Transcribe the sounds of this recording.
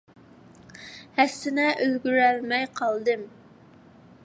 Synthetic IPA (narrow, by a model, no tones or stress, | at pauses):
hɛsːɪnɛʔølɡʲyɾælmɛjqʰɑlˠd̪ɨm